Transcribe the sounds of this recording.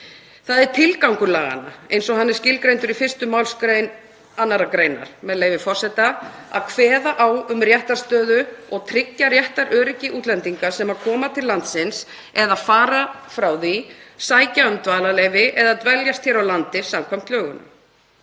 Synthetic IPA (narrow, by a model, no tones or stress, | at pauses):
θaðɛɾ̥t̪ʰɪlkawŋkʏɾlaːɣa̰nːaejnsɔhanːɪ̥scɪlkɾejnt̪ʏɾifɪr̥st̪ʏmawlskɾejn | anːaɾakɾeːjna̰ɾ̥mɛðleːjvɪfɔr̥sɛt̪aa̰ðkʰvɛːðaʔaːwʏmrjɛht̪aɾ̥st̪œːðʏɔɣt̪ʰɾɪcːarjɛht̪aɾʔœːɾɪcɪʔuːt̪lɛnt̪iŋkḁsɛmaðkʰɔːmat̪ʰɪlːant̪sɪns | ɛðaðfaːɾafɾawðisaːjcaʏmt̪vaːlalejvɪʔɛðaðt̪vɛljast̪çɛɾawlant̪ɪsamkʰam̥t̪lœːɣʏna̰